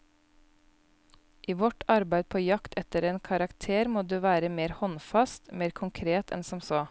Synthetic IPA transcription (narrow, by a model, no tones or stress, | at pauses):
ʔiːʋɔʈɑɾbæɪd̪̚pʰoːjɑkt̪ʰɛt̪əɾeːnkʰɑɾɑkt̪ʰeːɾmoːd̪ʉːʋæːɾəmeːɾhɔnfɑst̪meːɾkʰʊŋkʰɾeːt̪ʰɛ̰nsɔmsoː